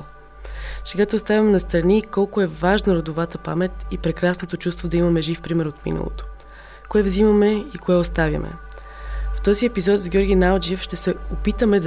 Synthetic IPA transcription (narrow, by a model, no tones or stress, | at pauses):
sɛɡat̪ɛʊst̪avʲɐmɛnɐst̪ɾɐnikɔlˠkʊɛvaʒnɐɾod̪ovat̪əpa̰mɛt̪ipɾɛkɾasnot̪ot͡ʃust̪vod̪ɐimɐmɛʒifpɾimɛɾot̪mḭnɐ̰lˠo̰t̪o̥ | koɛvzimɐmɛikoɛost̪avʲjɐ̰mɛ̰ | ft̪ɔziɛpizɔt̪zɡʲjɔɾɡʲinalˠd͡ʒiɛfʃt̪ɛsɛopit̪əmɛd̪